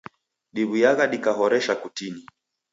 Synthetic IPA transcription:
ɗiβujaɣaɗikaɦɔɾɛʃakutini

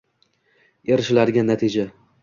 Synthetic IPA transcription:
eɾɪʃɪlaɾɪɡʲanːat̪ʰɪd͡ʒa

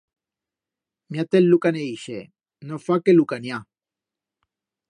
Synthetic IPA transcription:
mjat̪elːukaneiʃe | nofakelukanja

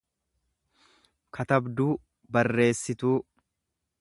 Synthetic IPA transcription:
kʰɐt̪ɐbd̪uː | bɐrːe̞ːsːɪt̪uː

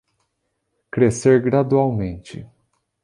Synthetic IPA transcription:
kɾeseɾɡɾad̪uawmẽnt͡ʃɪ̰

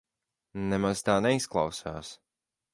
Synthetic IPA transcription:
nɛmaz̥t̪aːnɛisklˠɑ̰wsaːs

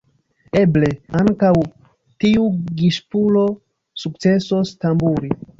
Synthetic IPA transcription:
eble̞aŋkaw | tiuɡiʃpulo̞ | suk̚t͡se̞sostambuɾi

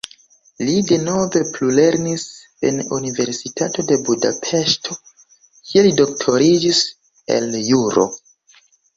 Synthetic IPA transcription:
lide̞no̞ve̞plule̞ɾnis | e̞̰nunive̞ɾsitato̞de̞budapʰe̞ʃto̞ | kʰie̞lido̞k̚tʰo̞ɾid͡ʒis | e̞̰ljuɾo̞̰

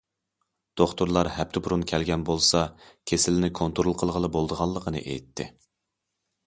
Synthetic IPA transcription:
d̪̥oχt̪uɾlˠɑɾhɛp̚t̪ʰɪbuɾunkʲʰɛlɡʲɛnbolˠsɑkʲʰesɪlɪnɪkʰont̪ʰoɾulˠqʰəlˠʁəlˠəbolˠd̪əʁɑlˠːəqʰənɨ̰ʔḛjt̪ʰːɪ̰

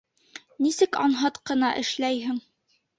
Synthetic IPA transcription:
nisɘkɑnɦɤt̪qɤ̆nɑʔɘ̰̆ʃlæjɦɘŋ

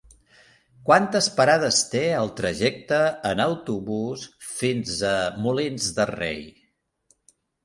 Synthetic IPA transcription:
kwant̪əspəɾað̞əst̪eəlˠt̪ɾəʒɛk̚t̪əːnəwt̪uβusfinzəmulinzðərḛj

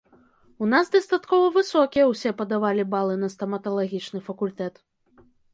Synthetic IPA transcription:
unasd̪ɐst̪at̪kɔvɐvɨsɔkʲijɐwsʲɛpɐd̪avalʲibalˠɨnɐst̪ɐmɐt̪ɐlˠaɣʲit͡ʂnɨfɐkulʲt̪ɛt̪

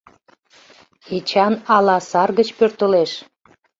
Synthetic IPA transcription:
et͡ɕɑnɑlɑsɑrɣət͡ɕpørt̪ə̆leʃ

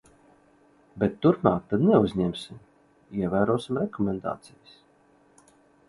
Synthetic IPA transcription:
bʲɛt̪ːuɾpmaːk̚t̪ad̪nɛuzʲɲɛmsim | iɛvæːɾuɔsimɾɛkɔmʲɛnd̪a̰ːt̪sijas

